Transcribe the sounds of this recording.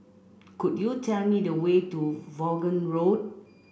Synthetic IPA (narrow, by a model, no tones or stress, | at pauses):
kudjutʰɛlmidəwetuvɔɡə̃nɹod̚